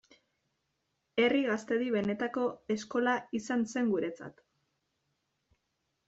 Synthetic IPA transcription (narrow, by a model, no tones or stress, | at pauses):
e̞riɣast̪e̞ðiβe̞ne̞t̪ako̞e̞sko̞laisanse̞ŋɡuɾe̞t͡sa̰t̪